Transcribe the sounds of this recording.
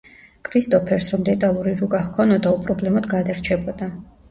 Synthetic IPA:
kʰʼɾist̪ʼɔpʰɛɾsɾɔmd̪ɛt̪ʼalˠuɾiɾukʼaχkʰɔnɔd̪aupʼɾɔblɛmɔd̪ɡad̪aɾt͡ʃʰɛbɔd̪a

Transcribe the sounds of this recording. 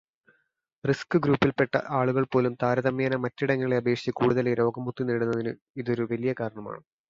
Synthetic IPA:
riskɨɡɾuːpːilpːe̞ʈːɐ̰ʔaːɭuɣɐɭpo̞ːlumt̪aːɾɐðɐmjaːnɐmɐtːiɽɐŋːɐɭe̞ɐbe̞ːkʂi̥t͡ɕːɐkuːɽuðɐleɾo̞ːɡɐmːut̪ːiniːɽunːɐðinɨ | iðo̞ɾuʋɐlijɐkaːɾɐɳɐma̰ːɳɨ

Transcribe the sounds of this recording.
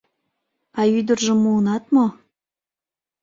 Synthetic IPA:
ɑyd̪ərʒə̆mːuːnɑt̪mo

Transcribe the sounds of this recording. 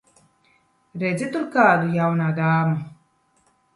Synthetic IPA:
ɾɛzʲit̪uɾkaːd̪ujawnaːd̪aːmu

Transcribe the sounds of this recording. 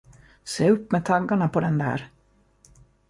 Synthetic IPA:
seːɵpːmɛt̪ʰaŋkːaɳapʰɔd̪ɛnd̪æ̰ːɾ

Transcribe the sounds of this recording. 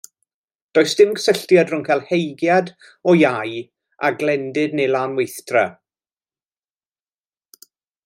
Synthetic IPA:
d̥oːɨsd̥ɪmɡə̥səɬtjadrʊŋkʰɛlˠhejɡjad | ɔjaj | aɡlɛndɪdnejlˠaːnwejθtra

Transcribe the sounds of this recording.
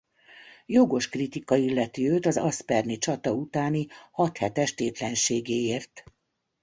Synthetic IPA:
joɡo̞ʃkrit̪ikɒilːɛt̪iøːt̪ɒzɒspɛrnit͡ʃɒt̪ɒut̪aːnihɒt̪hɛt̪ɛʃt̪eːt̪lɛnʃeːɡeːeːrt̪

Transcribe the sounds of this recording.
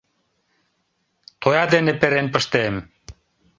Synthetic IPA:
t̪ojɑd̪enepeɾenpə̆ʃt̪em

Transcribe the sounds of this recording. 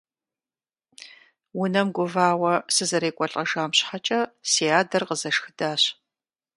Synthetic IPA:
wʊnɐmɡʷʊvaːwɐsɨzɐɾeːkʷʼɔɬʼɐʒaːmɕħat͡ʃʼɐsiːaːdɐrqəzɐʂxɨdaːɕ

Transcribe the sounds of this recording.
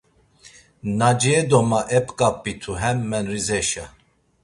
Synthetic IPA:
nad͡ʒɛd̪ɔmaʔɛpʼkʼapʼːit̪ʰuɦɛmːɛnrizɛʃa

